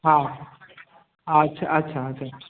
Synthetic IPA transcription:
ɦã | atːʃʰaʔɐtːɕʰaɐt͡ʃʰa

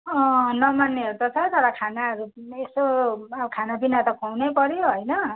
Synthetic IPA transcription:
ʌ̃nʌmanːeeɾut̪ʌt͡sʰʌt̪ʌɾakʰanaʌɾuesoaʌkʰanabinat̪ʌkʰʌwnʌjpʌɾjoɦʌjnʌ

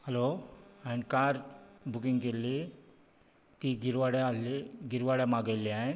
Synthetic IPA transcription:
həloanikaɾbʱukiŋɡɡelːi | t̪iːɡiɾʋaɽjaliɡiɾʋaɽjamaɡajliae

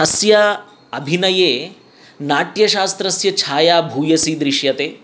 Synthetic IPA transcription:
ɐsjɐ | ɐbʱinɐjeː | naːʈjɐʃaːst̪ɾɐsjɐt͡ʃʰaːjaːbʱuːjɐsiːd̪ɾiʃjɐt̪eː

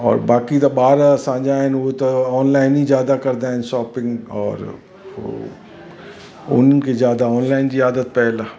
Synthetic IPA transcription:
ɔ̰ːɾbaːkit̪obaːɾasãːd͡ʒaɦɛnʋot̪oɔːnlaːɪnizjaːd̪akɐɾd̪aɦɛ̃nʃɔːpɪ̃ŋɡɔ̰ːɾ | o̰ | o̰ːnŋkezjaːd̪aɔːnlaːɪnd͡ʒiaːd̪ət̪̚pɛɦla

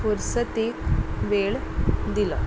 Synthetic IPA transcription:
fuɾsət̪ekʋeɭd̪ilɔ

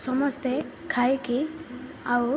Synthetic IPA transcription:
sɔmɔst̪e | kʰajki | aw

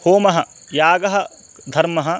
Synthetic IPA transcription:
hoːmɐɦɐ | jaːɡɐɦɐ̆ | d̪ʱɐɾmɐɦɐ

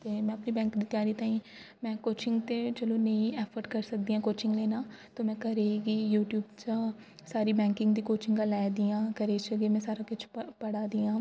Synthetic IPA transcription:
t̪eːmɛ̃ːəpniːbɛ̃ːŋkd̪iːt̪jaːɾiːt̪ãːĩː | mɛ̃ːkoːt͡ʃɪ̃ŋɡt̪eːt͡ʃəloːnəĩːɛːpʰəɾkəɾsək̚d̪iːãːkoːt͡ʃɪ̃ŋɡleːnaːt̪õːmɛ̃ːkəɾeɡiːjuːʈjuːbt͡ʃasaːɾiːbɛ̃ːŋkɪ̃ŋɡd̪iːkoːt͡ʃɪŋɡãːlɛːd̪ijãːkəɾeːt͡ʃəɡeːmɛ̃ːsaːɾaːkʊt͡ʃʰpəɽaːd̪iːãː

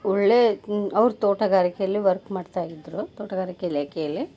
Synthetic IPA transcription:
ɔɭːeːɐʋɾut̪oːʈɐɡaːɾikejɐlːiʋɐɾkmaːɖt̪aːjid̪ɾut̪oːʈɐɡaːɾikɛlaːkɛjɐlːi

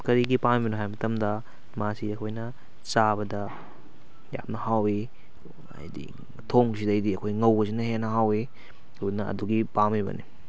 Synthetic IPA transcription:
kɐɾiɡipamibɐnuɦajmɐtɐmdɐ | masiɐkʰojnɐ | saβɐdɐ | ja̰mnɐhawi | ɐ̰jdḭ | tʰoŋsidɐɐjdiɐkʰojŋɐwbɐs̬inɐɦenɐɦawi | udnɐɐ̰duɡipamibɐ̰nḭ

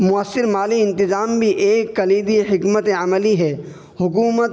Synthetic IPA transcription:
mʊəsːɪɾmaːliɪ̃nt̪ɪzaːmbʱiʔeːkːɐliːd̪ihɪkmət̪ẽɐməliɦɛː | hʊkuːmət̪

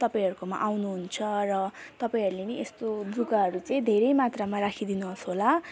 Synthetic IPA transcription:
t̪ʌpaĩɦʌɾukoma̰ʔawnuɦunt͡sʰʌrʌt̪ʌpaĩɦʌɾuleniest̪od͡z̪ukaɦʌɾut͡sʌĩd̪ʱeɾʌjmat̪ramarakʰid̪inuɦʌsɦola

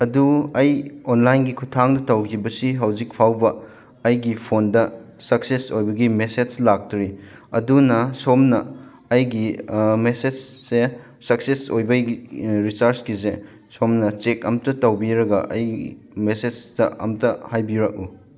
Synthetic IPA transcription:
ɐduɐjonlajnɡikʰutʰaŋdɐtɐwkʰibɐsiɦɐwzik̚pʰawbɐː | jɡipʰondɐ | sɐk̚sesojbɐɡimeseslak̚tɾi | ɐ̰dunɐsomnɐː | jɡimesese | sɐksesojbɐɡiɾisɐɾskize | somnɐt͡ʃekɐ̰mtɐtɐwbiɾɐɡɐ̰ʔɐ̰jɡ̰ | mesedɐɐ̰mtɐhajbiɾɐk̚u

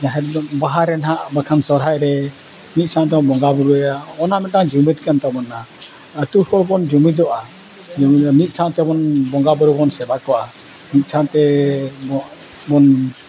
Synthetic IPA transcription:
d͡ʒãɦɛd̪baɦaɾɛnɦaʔbakʰansɔɾɦajɾɛ | mit̪̚ˀsãʔd̪ɔbɔŋɡabuɾuɛjaɔnamɛt̪̚aŋd͡ʒumit̪kant̪abɔnːa | ət̪ukɔlbɔnd͡ʒumid̪ɔʔa | d͡ʒumit̪̚sãʔt̪ɛbɔnbɔŋɡabɔɾubɔnsɛbakɔʔa | mit̪̚ˀsʰãʔt̪ɛ | bɔn

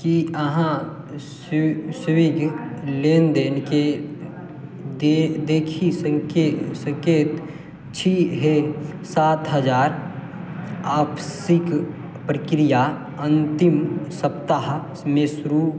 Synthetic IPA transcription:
kiəɦã | ssɪʋiɡleːnd̪eːnke | ed̪eːkʰisəŋkesə̃ŋkeːt̪ | t͡ʃʰiɦesaːt̪ɦəd͡ʒaːɾ | aːbsik | pɾəkɾija | ə̃nt̪ɪmsəpt̪aɦ | mesɾu

